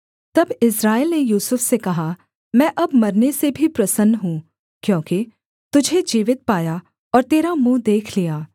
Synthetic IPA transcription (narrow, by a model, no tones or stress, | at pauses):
t̪ɐbɪsɾaːɪlnejuːsʊfsekɐɦa | mɛ̃ːʔɐbmɐɾnesebʱipɾɐsənːɦũː | kjõːki | t̪ʊd͡ʒʱed͡ʒiːʋɪt̪̚paːja | ɔːɾt̪eːɾamũːd̪eːkʰlijaː